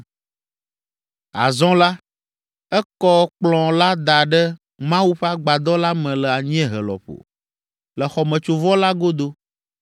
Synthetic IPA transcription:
a̰˨zɔ̃˦la˦ | ɛ˦kɔ˦k͡plɔ̃˨la˦d̪a˨ɖə˦ | mã˦wu˦ɸa˦ɡ͡ba˨d̪ɔ˦la˦mɛ̃˨lə˨a˨ɲ˦ɛ̃˦ɦə̰˨lɔ̰˨ɸo̰˨ | lə˨xɔ˨mɛ̃˨t͡ʃo˨vɔ˦la˦ɡo˦d̪o˦

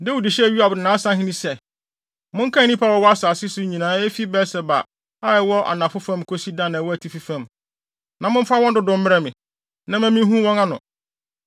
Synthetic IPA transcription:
dɛ˦wʊ˨di˨ɕɛ˦æ˨ɥi˦a˨bʊ˨nãː˨˦sã˦ɦĩ˦nĩ˦sɛ˦ | mʊ̃˦ŋ̩˦kʰã˦˨nĩ˦pʰa˦wɔ˨˦wɔ˦a˦saː˨sɪ˦sʊ˦ɲĩ˨nãː˨˦e˦fi˦bɛ˦sɛ˨ba̰˨ | a˦ɪ˨wɔ˦ʔa̰˨nã˨fʊ˦fã˦mkʰo˦si˦dã˦˨nã˨wɔ˦æ˨tʰi˨fi˦fã˦˨m | nã˨mʊ̃˦m̩˦fa˦wɔ̃˦n˦dʊ˨dʊ̃˨m̩˦m˦ɾɛ˦mɪ̃˨ | nã˦mæ̃˦mĩ˦ɦũ˦wɔ̃˦ŋã˦nʊ̰̃˨

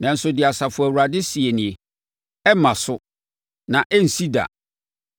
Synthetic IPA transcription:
nã˨n̩˨˦sʊ˦dɪ˨a˨sa˨fʊ˨æ˨wu˨ɾa˨dɪ˦si˨e˨nɪ̃˨e˨ | ɛ˦mã˨sʊ˦ | nã˨ʔɛ˦n̩˨si˦da̰˨

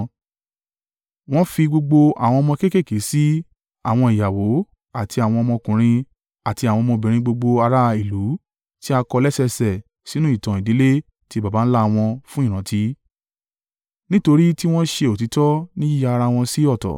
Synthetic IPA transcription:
w̃ɔ̃˦fi˧ɡ͡bo˧ɡ͡bo˧a̰˨w̃ɔ̃˧ɔ˧mɔ̃˧ke˦ke˦˨ke˨˦si˦ | a̰˨w̃ɔ̃˧i˨ja˨wo˨˦ | a˨tʰi˧a˨w̃ɔ̃˧ɔ˧mɔ̃˧kũ˨ɾ̃ĩ˧ | a˨ti˧a˨wɔ̃˧mɔ̃˧bĩ˨ɾ̃ĩ˧ɡ͡bo˧ɡ͡bo˧a˧ɾa˦˧i˨lu˨˦ | ti˦a˧kɔ˧lɛ˦sɛ˧sɛ˨ | si˨˦nũ˦i˦˨tɔ̃˨i˨di˨˦le˦ | ti˧˦˨ba˨ba˨˦n̩˦la˦˧w̃ɔ̃˧fũ˦ĩ˦˨ɾ̃ã˨˦ti˦ | nĩ˦to˧ɾi˦ti˦w̃ɔ̃˦ʃe˧o˨ti˨˦tɔ˦nĩ˦ji˦ja˧ɾa˧w̃ɔ̃˧si˦ɔ˦˨tɔ̰˨

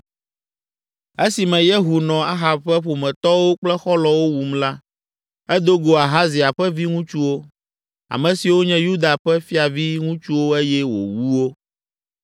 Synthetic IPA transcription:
e˦si˨mɛ̃˨je˦ɦu˨nɔ̃˨a˦ɦa˨bɸɛ˦ɸo˨mɛ̃˨t̪ɔ˦wo˦k͡plɛ˦xɔ˦lɔ˨wo˦wu˨mla˦ | ɛ˦d̪o˦ɡo˨a˨ɦa˦zi˨a˨ɸɛ˦vi˦ŋũ˦t͡ʃu˦wo˦ | a̰˨mɛ̃˨si˨wo˦ɲɛ̃˦ju˦d̪a˨ɸɛ˦fi˦a˨vi˦ŋũ˦t͡ʃu˦wo˦e˦jɛ˦wo̰˨wu˦wo˦

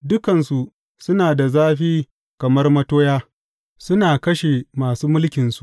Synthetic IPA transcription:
dʊ˦kɐ˨nsu˨ʔ | sʊ˦naː˨da˨zaː˦ɸiː˦ | kɐ˨mɐ˦rmɐ˦toː˦jaː˦ | sʊ˦naː˨kɐ˦ʃe˨maː˨suː˦mʊ˦lkʲɪ˨nsu̥˦ʔ

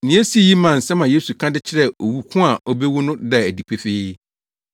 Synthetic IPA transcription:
nĩ˨æ˦si˦˨ji˦mã˨n̩˨sɛ˦mã˨jeː˦su˨kʰã˦dɪ˦t͡ɕʰɪ˦ɾɛ˦o˨wu˦kʰʊ̃˦a˨ʔɔ˦be˦wʊ˦nʊ̃˦dɛ˦˨æ˨di˨pʰe˦feː˦

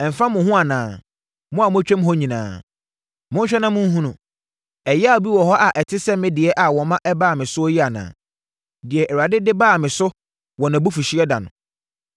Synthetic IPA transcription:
ɛ˨m̩˨fã˦mʊ̃˨ɦʊ̃˦a˨nãː˨ | mʊ̃˦a˨mʊ̃˦æ˦t͡ɕᶣɛ̃˦m˦ɦɔ˦ɲĩ˨nã̰ː˨ | mʊ̃˦ɲ̩˦ɕᶣɛ˦nã˦mʊ̃˦n˦ɦũ˦nʊ̃˨ | ɛ˨jɛ˦a˦˨o˨bi˦wɔ˨ɦɔ˦ʔa˨ʔɛ˨tʰɪ˦sɛ˦mɪ̃˦dɪ˨ɛ˦ʔa˨wɔ˨mã˦ʔɛ˦baː˦˨mɪ̃˨sʊ˦ɔ˦ji˦a˨nã̰ː˨ | dɪ˨ɛ˨ʔɛ˨a˨dɪ˦dɪ˦baː˦˨mɪ̃˨sʊ˦ | wɔ˨nã˨bu˦fu˨ɕi˦ɛ˦dã̰˨nʊ̰̃˨

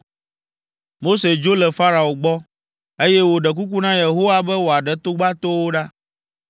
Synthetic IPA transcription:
mo˦se˨d͡ʒo˦lɛ˨fa˦ɾa˨o˨ɡ͡bɔ˦ | e˦jɛ˦wo˨ɖɛ˨k̬u˦k̬u˦nã˦je˨ɦo˦wa˦bɛ˦wo˨a˨ɖɛ˨t̪o˦ɡ͡ba˦t̪o˦wo˦ɖa˦

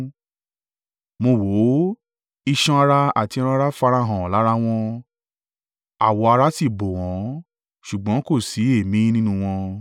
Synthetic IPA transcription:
mo˧wo˨˦ | i˧ʃɔ̃˧a˧ɾa˧a˨ti˧ɔ˧ɾ̃ã˧a˧ɾa˦fa˧ɾa˧ɦã˨la˨˦ɾa˦w̃ɔ̃˧ | a˨wɔ˧a˧ɾa˦si˦˨bo˨w̃ɔ̃˨˦ | ʃu˨ɡ͡bɔ̃˨˦ko˦˨si˨˦e˦˨mĩ˦nĩ˦nũ˧w̃ɔ̃˧

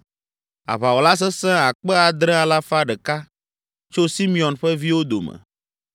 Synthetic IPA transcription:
a̰˨βa˨wo˨la˦s̬ɛ˦sɛ̃˦a˨k͡pɛ˦a˨d̪ɾɛ̃˦a˨la˦fa˦ɖɛ˨ka˦ | t͡ʃo˦si˦mĩ˦˨ɔ̃˨nɸɛ˦vi˦wo˦d̪o̰˨mɛ̰̃˨

